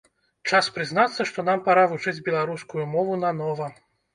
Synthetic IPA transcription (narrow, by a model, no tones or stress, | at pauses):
t͡ʂaspɾɨznat̪sːɐʂt̪ɔnampaɾavut͡ʂɨd͡zʲbʲɛlˠaɾuskujumɔvunɐnɔvɐ